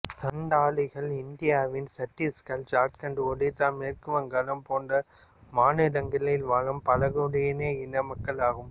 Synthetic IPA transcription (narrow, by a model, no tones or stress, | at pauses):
t̪ɐɳɖaːlɐɣɐɭɪnd̪ɪjaːʋɪnsɐʈːiskɐld͡ʒaːt̪kɐɳɖɯɔɽɪt̪aːmeːrkɯʋɐŋɡɐlɐmpoːndrɐ | maːnɪɽɐŋɡɪɭɐjɪlʋaːɻɐmpɐlɐɣɯɽɐjɐneːɪnːɐmɐkːɐɭaːɣɯm